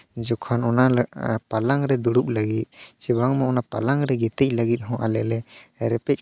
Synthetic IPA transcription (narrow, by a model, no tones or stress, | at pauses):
d͡ʒɔkʰanɔnapalaŋɾɛd̪uɽup̚laɡit̪̚t͡ʃɛbaŋmaɔnapalaŋɾɛɡɛt̪ɛc̚ˀləɡit̪̚ɦɔ̃ʔalɛlɛɾɛpɛc̚